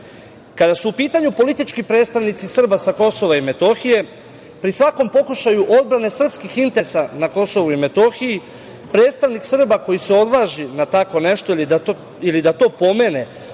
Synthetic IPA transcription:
kad̪asuːpiːt̪aɲupo̞lit̪it͡ʃkipɾe̞ːt̪st̪aʋnit̪sisr̩basako̞so̞ʋaime̞t̪o̞xije̞ | pɾisʋako̞mpo̞kuʃajuʔo̞d̪̚bɾane̞sr̩pskixint̪e̞sanako̞so̞ʋuime̞t̪o̞xiji | pɾe̞ːt̪st̪aʋniksr̩bako̞jiseo̞d̪ʋaːʒinat̪ako̞ne̞ʃt̪o̞i | ilid̪at̪o̞ːpo̞me̞ːne̞

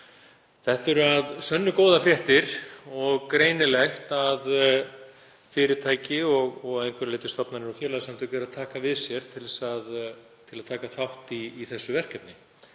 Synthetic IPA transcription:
θɛht̪ɛɾʏaðsœnːʏkoːwðafɾjɛht̪ɪɾ̥ɔɣkɾeːjnɪlɛxt̪að | fɪːɾɪt̪ʰaːjcɪɔɣɔɣaðejŋkʰvɛɾlejt̪ɪst̪ɔpnanɛɾɔfjɛɾlaðsamt̪ʰœkʏɛɾaðt̪ʰaːkavɪðsjɛɾ̥t̪ʰɪlðɛsað | t̪ʰɪlaðt̪ʰaːkaθawht̪iːθɛsːʏvɛr̥cɛp̪nɪ

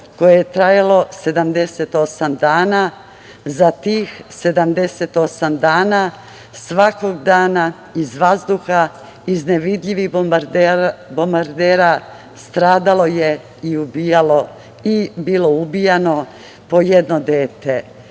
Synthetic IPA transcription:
ko̞jejet̪ɾajalo̞se̞d̪amd̪e̞se̞t̪o̞samd̪aːna | zat̪iːxse̞d̪amd̪e̞set̪o̞samd̪aːna | sʋako̞ɡd̪aːna | izʋazd̪uxa | izneʋid̪ʎʲiʋiɾbombaɾd̪eːɾa | st̪ɾaːd̪alo̞je | iubijalo̞ | ibiːlo̞ubijano̞ | po̞jed̪nod̪eːt̪e

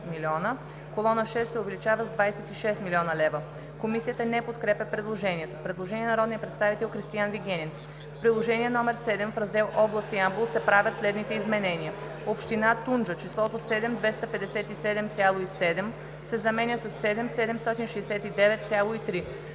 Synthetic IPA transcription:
miliɔnə | kolˠɔnəʃɛst̪ːɛovɛlit͡ʃavəzd̪vajsɛt̪iʃɛst̪miliɔnəlɛvə | komisijət̪ənɛpot̪kɾɛpʲɛpɾɛd̪lˠoʒɛniɛt̪opɾɛd̪lˠoʒɛniɛnɐɾɔd̪nijəpɾɛt̪st̪avit̪ɛlˠxɾist̪ijanviɡʲɛnin | fpɾidlˠoʒɛniɛnɔmɛɾsɛd̪ɛmfɾɐzd̪ɛlˠʔɔblˠəst̪iamblˠsɛpɾavʲət̪slɛd̪nit̪ɛizmɛnɛniə | opʃt̪inat̪und͡ʒət͡ʃislˠɔt̪osɛd̪ɛmd̪vɛst̪əpɛd̪ɛsɛt̪isɛd̪ɛmt̪sʲjalˠoisɛd̪ɛm | sɛzɐmɛnʲjəsɐsːɛd̪ɛmsɛd̪ɛmst̪ɔt̪inʃɛjsɛt̪id̪ɛvɛt̪t̪sʲjalˠoit̪ɾi

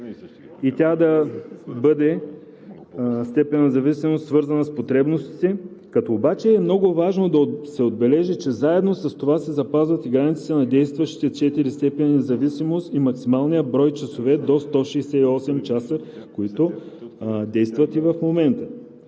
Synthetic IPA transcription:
it̪ʲad̪ɐbɤd̪ɛ | st̪ɛpɛnːnɛzɐvisimost̪svɤɾzɐnɐspot̪ɾɛbnost̪i̥t̪ɛkɐt̪oːbat͡ʃɛːmnɔɡʊvaʒnod̪ɐsɛod̪̚bɛlɛʒit͡ʃɛzaɛd̪nosɐst̪ovasɛzɐpazvɐt̪iɡɾanit̪si̥t̪ɛnɐd̪ɛjst̪vɐʃi̥t̪ɛt͡ʃɛt̪iɾist̪ɛpɛnnɛzɐvisimost̪imɐksimalˠnijəbɾɔjt͡ʃɐsovɛd̪ost̪ɔʃɛjsɛiɔsɛmt͡ʃasəkoit̪ʊ | d̪ɛjst̪vɐt̪ivɐfmomɛnt̪ə

